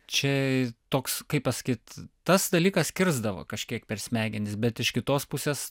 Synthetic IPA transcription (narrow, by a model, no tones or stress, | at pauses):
t͡ʃʲɛt̪oːkskɐɪpɐsɐ̥kʲiːt̪t̪ɐsd̪ɐlʲiːkɐskʲɪɾzd̪ɐʋo̰ːkɐʃʲkʲiɛkpʲɛɾʲsʲmʲæːɡʲɪnʲɪsbʲɛt̪ɪʃkʲɪt̪oːspʊsʲeːs